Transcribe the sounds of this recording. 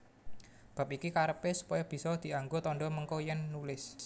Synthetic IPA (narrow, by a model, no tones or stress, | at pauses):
b̥a̤p̚ikikaɾəpesu̥pɔjɔb̥i̤sɔd̪̥i̤aŋɡot̪ɔɳɖɔməŋkojɛnːulɪs